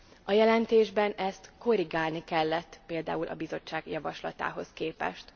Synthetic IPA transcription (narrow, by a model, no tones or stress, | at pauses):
ɒjɛlɛnt̪eːʒbɛnɛst̪ko̞ɾiɡaːlnikɛlːɛt̪ːpeːld̪a̰ːulʔɒ̰bizo̞t͡ʃːaːɡjɒvɒʃlɒ̰t̪a̰ːɦo̞skeːpɛ̰ʃt̪